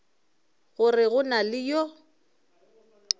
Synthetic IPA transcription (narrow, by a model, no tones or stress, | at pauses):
ɣʊrɪɣʊnalɪjɔ